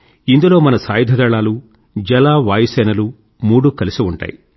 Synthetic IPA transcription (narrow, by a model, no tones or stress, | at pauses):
ind̪ulo̞ːmɐnɐsaːjid̪ʱɐd̪ɐɭaːlu | d͡ʒɛlaːʋaːjɐsɛːnɐlu | muːɽukɐlisiuɳʈa̰ːji